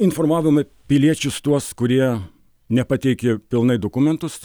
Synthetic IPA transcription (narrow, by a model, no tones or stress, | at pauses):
ɪnfoɾmɑːʋʲɪmɐ | pʲɪlʲiɛt͡ʃʲʊst̪uɔskʊɾʲiɛ | nʲɛpɐt̪ʲɛɪkʲɪpʲɪlˠnɐɪd̪okʊmʲɛnt̪ʊs